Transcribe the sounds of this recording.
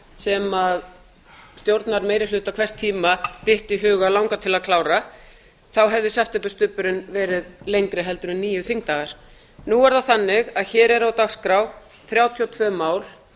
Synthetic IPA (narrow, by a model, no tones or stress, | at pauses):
sɛmað | st̪jowɾt̪naɾmejɾɪlʏːt̪akʰvɛst̪ʰiːmat̪ɪht̪iɦʏːɣalawŋkat̪ʰɪlaðkʰlaːwɾa | θawɦɛvðɪsɛft̪ɛpʏst̪ʏːpʏɾɪnvɛːɾɪðlejŋkɾɪɦɛlt̪ʏɾʏnnːiːjʏθiŋkt̪aːɣaɾ̥ | nuɛɾðaθanːɪɣaðçɛːɾɛɾawt̪aɣskɾaw | θɾjaːwt̪ʰiɔt̪ʰvœːmaːwl̥